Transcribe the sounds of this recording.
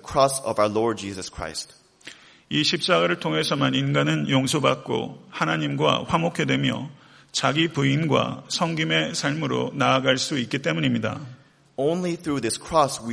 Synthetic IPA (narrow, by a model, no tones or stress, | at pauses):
kʰɹ̥ɔsʌ̰vaʊə˞lɔɹd̚d͡ʒizʌskʰɹ̥a̰ɪst̚ | iɕʰip̚t͡ɕ͈aɡaɾɯɭtʰoŋɦe̞sʰʌmaninɡanɯnjoŋsʰobak̚k͈o̰hanaɲimɡwa̰ɸwamokʰe̞dwe̞mjʌ̰ | t͡ɕaɡipuinɡwa̰sʰʌŋɡime̞sʰaɭmɯɾo̰naːɡaɭs͈uit̚k͈it͈e̞muɲimɲida̰ | õʊ̃nliθɹuðɪskʰɹ̥ɔswi